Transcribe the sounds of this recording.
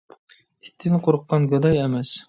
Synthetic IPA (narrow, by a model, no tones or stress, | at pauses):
i̥t̪ʰːɪnqʰoɾəqːɑnɡʲɑd̪ɑjɛmɛs